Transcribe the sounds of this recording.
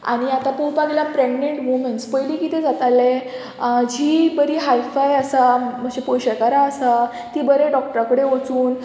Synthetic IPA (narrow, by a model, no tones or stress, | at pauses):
a̰ɽ̃iat̪apuwpaɡljapɾeɡneɳʈmumeɳʈspəjliːkit̪ɛd͡zat̪ale | d͡ʑiːbəɾiːɦajfajəsam̤əɡd͡ʑepojɕəkaɾaəsa | t̪ibəɾeɖɔk̚ʈəɾakəɽeot͡suːn